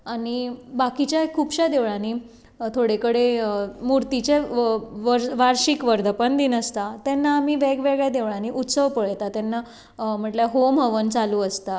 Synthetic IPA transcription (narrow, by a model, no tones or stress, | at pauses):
aɽ̃ibakit͡ɕjakʰːuːpɕad̪eʋɭãniː | t̪ʰoɽekəɽemuɾt̪it͡ɕeʋəɾʋaɾɕikʋəɾd̪ʱəpənd̪inəst̪at̪ɛnːaːmiʋɛɡʋeɡɭjad̪eʋɭãniʔut̪səʋpəɭjt̪at̪jɛnːa | m̤əɳʈljaɦomɦəʋənt͡saluːəst̪a